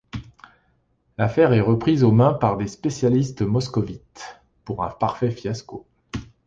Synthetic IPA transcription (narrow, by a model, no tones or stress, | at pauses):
lafɛʁɛʁəpχizomɛ̃paʁd̪espesjalist̪mɔskɔvit̪ | puʁɛ̰̃paʁfɛfjasko